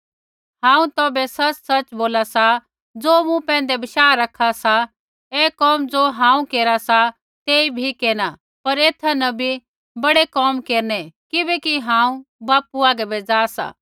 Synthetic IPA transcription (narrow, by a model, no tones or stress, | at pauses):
ɦãːũt̪ɔːbɛsɐt͡ʃsɐt͡ʃboːlasa | d͡zoːmũpɛ̃ːnd̪ɛbɐʃaːɾɐkʰasa | eːkɔːmd͡zoːɦãːũkeːɾasa | t̪eːibʱikeːna | pɐɾeːt̪ʰːanɐbʱi | bɐɽekɔːmkeːɾnekɪbɛkiɦãːũbaːpuaːɡɛbed͡zaːsa̰ː